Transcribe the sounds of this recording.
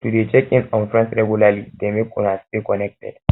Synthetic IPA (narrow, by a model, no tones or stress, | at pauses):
tudet͡ʃɛkĩnskɔ̃nfɾɛ̃nsɾɛɡjulalidemekːɔnastekɔnɛk̚tɛ̰d